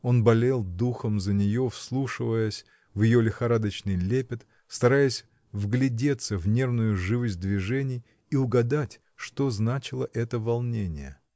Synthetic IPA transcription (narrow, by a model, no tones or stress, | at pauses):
o̞nbɐlʲelˠd̪uxəmzənʲɪjo̞fslˠuʂɨvəjəsʲ | vjɪjo̞lʲɪxɐɾad̪ət͡ɕnɨjlʲepʲɪt̪ | st̪ɐɾajəsʲ | vɡlʲɪdʲe̞t̪səvnʲe̞rnʊjʊʐɨvɨzʲd̪vʲɪʐɛnʲɪj | iʊɡɐd̪atʲ | ʂt̪o̞znat͡ɕɪlˠəʔɛt̪əvɐlˠnʲenʲɪ̰jə̰